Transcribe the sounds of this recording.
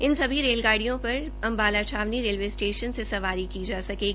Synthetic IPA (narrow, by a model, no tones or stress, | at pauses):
ɪnsɐbʱiɾeːlɡaːɽijõpɐɾ | ɐ̃mbaːlat͡ʃʰaːʋniɾeːlʋeːsʈeːʃənsesɐʋaːɾikid͡ʒaːsɐkeːɡ